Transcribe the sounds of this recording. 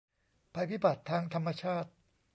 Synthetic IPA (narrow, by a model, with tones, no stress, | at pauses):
pʰa˧tʰi˦˥˩ba˨˩t̪ʰːaː˧ŋt̪ʰa˧mːa˧t͡ɕʰaː˥˩t̪̚